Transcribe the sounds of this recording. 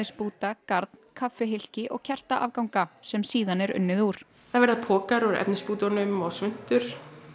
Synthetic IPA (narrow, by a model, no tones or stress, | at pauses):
ɪspuːt̪akaɾt̪nkʰafːɛɦɪl̥cɪʔɔ̰ɣcʰɛr̥t̪aʔa̰vkawŋkasɛmsiːðanɛɾʏ̰nːɪðuːɾ̥ | θaðvɛɾðapʰɔːkaɾɔɾɛ̰pnɪspuːt̪ɔnʏmɔɣsvʏn̥t̪ʏɾ̥